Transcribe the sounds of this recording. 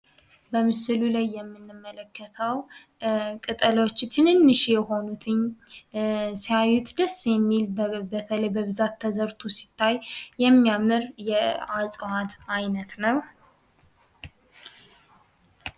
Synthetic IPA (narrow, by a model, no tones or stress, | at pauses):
bəmɨsɨlulajːɛmːɨnːɨmːələkʰːət̪ʰəw | kʼɨt̪ʼəlo̞t͡ʃːt̪ʰɨnɨnːɨʃjɛho̞nut̪ʰɨɲː | sijajut̪d̪əsːjɛmːilbət̪ʰələjbəβɨzat̪ʰːəzəɾt̪ʰusi̥t̪ʰːajjɛmːijamɨɾjɛasʼhat̪ajnət̪nəw